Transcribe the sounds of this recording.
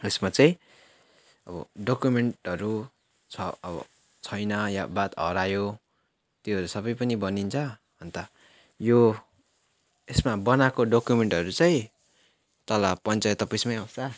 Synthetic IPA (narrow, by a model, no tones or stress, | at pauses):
t̪esmat͡saĩ | ʌbʌ̰ɖokumeɳʈɦʌɾu | t͡sʰʌːbʌ̰ | t͡sʰʌjnʌja̰bat̪ɦʌ̰ɾajo | t̪jeʌɾusʌbʌjpʌnibʌnint͡sʰʌ | ɦʌnt̪ʌ | jo | esmabʌnakoɖokumeɳʈɦʌɾut͡saĩ | t̪ʌlapʌnt͡sʌjt̪ʌpismaj